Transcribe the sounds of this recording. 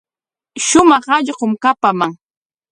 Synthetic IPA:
ʃʊmɑχɑʎɢomkapamaŋ

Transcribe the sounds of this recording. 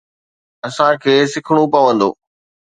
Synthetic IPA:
ɐsãkʰeːsɪkʰɽ̃upɐʋə̃nd̪o̰ː

